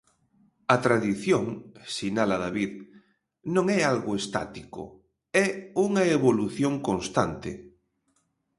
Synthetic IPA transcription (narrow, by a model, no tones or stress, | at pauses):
ɐt̪ɾaðiθjoŋsinalaðaβið | nõŋɛalɣʊest̪a̰t̪iko̰ | ɛuŋɐeβoluθjoŋkonst̪ant̪ḛ